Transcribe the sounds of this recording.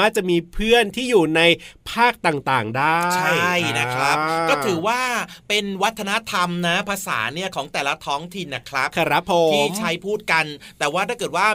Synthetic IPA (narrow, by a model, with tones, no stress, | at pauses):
aː˥˩t͡ɕa˨˩ʔmiː˧pʰɯ˥˩ənt̪ʰiː˥˩juː˨˩na˧jpʰaː˥˩k̚t̪aː˨˩ŋt̪aː˨˩ŋdaː˥˩t͡ɕʰa˥˩jjna˦˥kʰɾa˦˥p̚kɔː˥˩ɯː˩˦waː˥˩pe˧nwa˦˥t̪ʰːa˧na˦˥t̪ʰa˧mna˦˥pʰa˧sa̰ː˩˦ni˥˩ɐkʰɔː˩˦ŋt̪ɛː˨˩la˦˥t̪ʰɔː˦˥ŋt̪ʰi˨˩nːa˨˩kʰɾa˦˥p̚kʰa˧ɾa˦˥pʰːo˨˦iː˥˩t͡ɕʰa˦˥jpʰuː˥˩t̪̚ka˧nt̪ɛː˨˩waː˥˩t̪ʰaː˥˩kɤː˨˩t̪̚waː˥˩